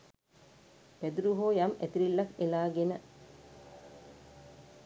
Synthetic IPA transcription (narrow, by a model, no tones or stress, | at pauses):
pæd̪uɾuɦoːjamæt̪iɾilːɐkelaːɡenə